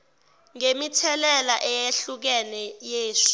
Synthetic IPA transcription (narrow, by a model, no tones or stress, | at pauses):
ŋemitʰɛlɛlaʔɛjeɬuk̬ɛlɛjeːʂ